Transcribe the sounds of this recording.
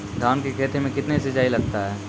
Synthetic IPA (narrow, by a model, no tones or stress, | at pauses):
ɡ̪ʱaːnkekʰeːt̪emẽkɪt̪nesɪd͡ʒaːilɐɡ̚t̪aɦɛː